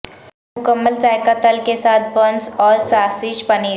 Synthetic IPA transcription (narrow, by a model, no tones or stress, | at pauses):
mʊkəmːəlzaːɪkat̪əlkesaːt̪̚ʰbɐ̃nsɔːɾsaːsɪʃbɐneː